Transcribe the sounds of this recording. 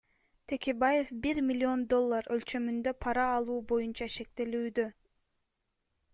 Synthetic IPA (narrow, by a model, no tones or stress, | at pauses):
t̪ʰe̞kʲebaje̞fbiɾmʲilʲio̞nd̪o̞lˠːaɾø̞lt͡ʃø̞mynd̪ø̞pʰɑɾɑːlˠuːbo̞junt͡ʃɑʃe̞k̚t̪elyːd̪ø